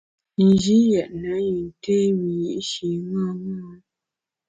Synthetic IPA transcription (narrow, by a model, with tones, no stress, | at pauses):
n̩˨d͡ʒi˦jɛ˨ʔna˨˦ji˨n˨te˦wi˨ji˦ʔʃi˨ŋa˦ŋa˦